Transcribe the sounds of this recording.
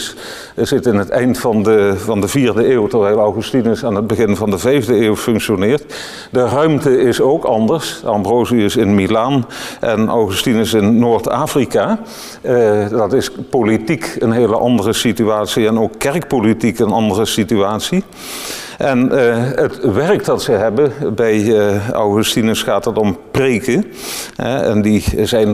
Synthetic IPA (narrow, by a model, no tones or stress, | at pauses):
s | zɪtɪnɦətɛ̰jntfɑndəvɑndəviːɹdəeːwtəɹʋɛjlˠɑwχystinəsaːnɦəd̚bəɣɪnvɑndəvɛjvdəeːwfɵŋkʃonɪːɹt | dərœɥmtəɪsowkɑ̰ndəɹsɑ̰mbrowziɪsɪnmilaːnʔɛ̰nʔɑ̰wχystinəsɪnːoːɹta̰ːfrikaː | dɑtɪspolitikənɦeːləʔɑndərəsityaːtsiɛnowkːɛɹkpolitikənɑ̰ndərəsityaːtsi | ʔɛnətʋɛɹkdɑtsəɦɛbəbɛjɑ̰wχʉstinəsχaːtətɔmprejkə | ɛ̰ɛ̰ndizɛjn